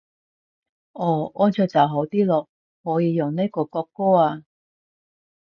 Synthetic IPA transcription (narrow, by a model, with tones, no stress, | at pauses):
ʔɔː˨˩ɔː˥nt͡ʃʰɵ˧˩t͡sɐ˨˩wɦo˨˥wt̪iː˥lɔː˨˧ | hɔː˨˥jiː˨˧jʊ˨ŋne˥kɔː˧kɔː˧kːɔː˥aː˧